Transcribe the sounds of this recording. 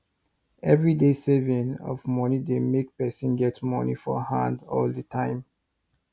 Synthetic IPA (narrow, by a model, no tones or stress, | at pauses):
ɛvɹidesɛvə̃nɔ̰vmɔnidemek̚pɛsə̃nɡɛtmɔnḭfɔ̰hãndɔ̰ldətʰãɪ̃m